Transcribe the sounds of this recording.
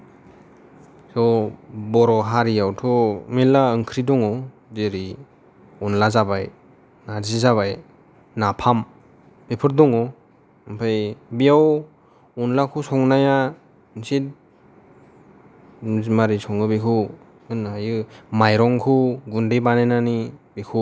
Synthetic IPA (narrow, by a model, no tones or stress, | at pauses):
sɔbɔɾɔɦaɾiawtʰɔmelaɯŋkʰɾidɔŋɔ | deɾi | unlazabaj | nazizaβaj | napʰam | bepʰɯɾdɔŋɔ | mpʰajbijaw | unlakʰusɔŋnaja | nsit | maɾisɔŋɯbikʰɯ | ɯnajɯmajɾɔŋkʰuɡundebanenanibikʰu